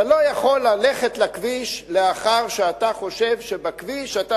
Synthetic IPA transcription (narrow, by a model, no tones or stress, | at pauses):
alo̞jaχo̞lːale̞χetlakviʃleaχaʁʃeat̪aχo̞ʃe̞vʃebakviʃata